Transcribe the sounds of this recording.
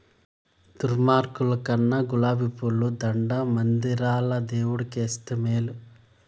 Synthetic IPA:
t̪uɾmaːɾkulɐkɐnːɐɡulaːbipulːud̪ɐɳɖɐmɐnd̪iɾaːlɐd̪eːwuɽɐkeːst̪ɐmeːlu

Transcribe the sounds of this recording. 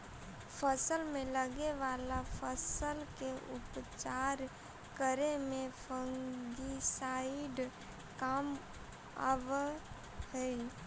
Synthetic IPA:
pʰəsəlmẽləɡeʋaːlapʰəsəlkeʔʊpt͡ʃaːɾ | kəɾemẽfʰə̃ŋɡisaːɪɖ | kaːm | ə̰ʋ | ɦɛi

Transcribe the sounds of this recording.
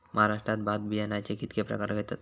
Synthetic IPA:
mʔaɦaɾaʂʈɾat̪̚bad̪̚bienajt͡ɕikit̪kʰepɾə̰kaɾɡʱet̪at̪

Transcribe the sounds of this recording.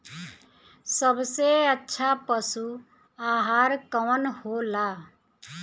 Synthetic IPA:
səbseətːʃʰapəsu | aːɦaːɾkɔːnholaː

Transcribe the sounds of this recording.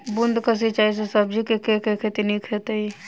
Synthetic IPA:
bund̪ʱkəs̬it͡ʃaɦis̬esəbd͡ʒikekekekʰet̪inikʰet̪əi

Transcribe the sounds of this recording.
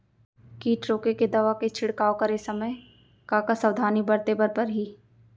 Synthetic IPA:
kiːʈɾoːkeked̪ɐʋaket͡ʃʰɪɽkaːokɐɾesɐməj | kaːkasɐwd̪ʱaːnibɐɾt̪ebɐɾpɐɾɦiː

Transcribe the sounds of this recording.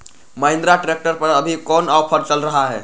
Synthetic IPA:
məɦɪ̃nd̪ɾaʈɾek̚ʈəɾpəɾəbʱikɔnawpʰəɾt͡ʃəlɾəɦaɦɛ̰ː

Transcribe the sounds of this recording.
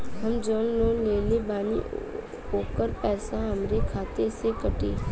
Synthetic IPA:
ɦəmd͡ʒoːnlõːleːlebaːnḭ | oːkəɾpɛːsãɦəmɾekʰaːt̪esekəʈiː

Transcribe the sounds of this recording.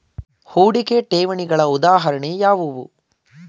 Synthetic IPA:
huːɽikeʈeːʋɐɳiɡɐɭɐud̪aːɦɐɾɐɳejaːʋuʋṵ

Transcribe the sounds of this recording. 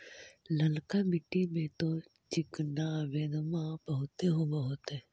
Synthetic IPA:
ləlkabɪʈimẽt̪o | t͡ʃɪknaʋed̪mãbəɦʊt̪eɦobəɦʊt̪e

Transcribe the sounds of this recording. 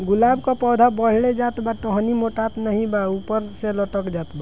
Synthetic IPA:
ɡulabkapɔd̪ʱabəɽ̤ɭed͡ʒat̪baʈoɦnimoʈat̪nəɦĩbaupəɾseləʈəkd͡ʒat̪ba

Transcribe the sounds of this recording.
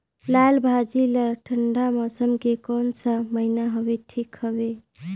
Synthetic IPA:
lalbʱad͡ʒilaʈʰəɳɖamɔsəmkekɔnsəməɦinaɦobeʈʰikhəbe

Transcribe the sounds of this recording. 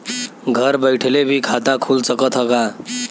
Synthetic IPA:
ɡʱʌɾbəjʈʰelebʱikʰat̪akʰulsʌkʌt̪ʰɦʌka

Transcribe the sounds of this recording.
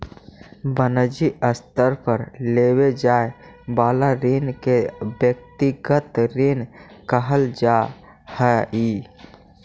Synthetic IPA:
bənəd͡ʒiəst̪əɾpʰəɾleːwed͡ʒae | baːlaɾinkebjək̚t̪iɡət̪ɾinkəɦəld͡ʒa | həi

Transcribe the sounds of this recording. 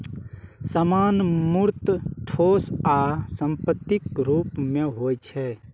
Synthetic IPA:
səmaːnmuɾt̪ʈʰoːsaːsəmpət̪ːɪkɾuːpmẽɦoːjt͡ʃʰɛ

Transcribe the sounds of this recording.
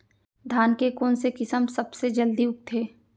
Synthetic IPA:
d̪ʱaːnkekoːnsekɪsəmsɐbsed͡ʒɐld̪iʊk̚t̪ʰeː

